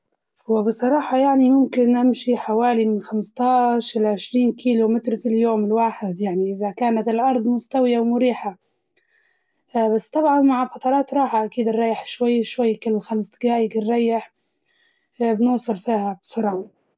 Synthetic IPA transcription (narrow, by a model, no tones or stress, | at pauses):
wɪbɨsˤɑɾˤɑːħɑjaʕnimʊmkɪnʔɪmʃiħawaːlimɪnxamst̪ɑːʃɪlʕɪʃɾiːnkʰiːlomɪt̪ɾfiljoːmɪlwaːħɪd̪jaʕniʔɪzakaːnat̪ɪlʔɑɾˤd̪ˤmʊst̪awjawmʊɾiːħa | basːt̪ɑbʕɑnmaʕafɑt̪ˤɑɾˤɑːt̪ɾˤɑːħaʔakiːd̪ɪrˤːɑjːɪħʃwajːʃwajːkɪlːɪxamsɡaːjɪɡɪrˤːɑjːɪħ | bnʊːsˤɨɾfiːhabsˤɑɾˤɑː